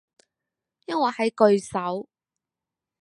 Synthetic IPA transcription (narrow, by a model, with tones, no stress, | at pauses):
jɐ˥nwɐː˨˩hɐ˨˥jkɵ˧ɥsɐ˨˥w